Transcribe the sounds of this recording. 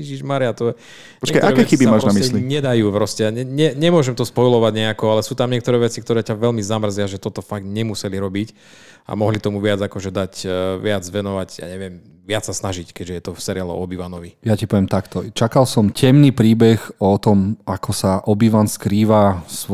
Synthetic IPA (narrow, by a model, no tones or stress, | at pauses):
iʒiʒmaɾijat̪ɔɛ | ɔt͡ʃɛkajt̪ɔaɛkɛɛxibimaːʒnamisɛliɲɛd̪ajuːpɾɔscɛaɲɛɲɛɲɛmʊɔʒɛmt̪ɔspɔjlɔʋaɟɲɛakɔalɛsuːt̪amɲɪɛkt̪ɔɾɛːʋɛt͡sikt̪ɔɾɛːcaʋɛlmizamr̩zɪaʒɛt̪ɔt̪ɔfaɡt̪ɲɛmusɛliɾɔbic | a̰mɔɦlit̪ɔmuʋɪad͡zakɔʒɛd̪acʋɪad͡zʋɛnɔʋaɟja̰ːɲɛʋɪɛm | ʋɪat͡ssasnaʒickɛɟʒɛjɛt̪ɔfsɛɾialɔ̰ɔbiʋanɔʋijacipɔʋɛmt̪akt̪ɔt͡ʃakalsɔmcɛmnipɾiːbɛxɔt̪ɔmakʰɔsaʔɔbiʋanskɾiːʋas